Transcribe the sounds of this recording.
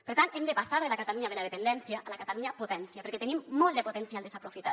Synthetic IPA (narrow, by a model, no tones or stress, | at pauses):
pəɾt̪ant̪emd̪epasaɾðelakat̪aluɲaðelaðepend̪ɛnsjaʔːlakat̪aluɲapot̪ɛnsjapeɾkɛt̪enimːɔlˠd̪epot̪ensialˠd̪esapɾofit̪a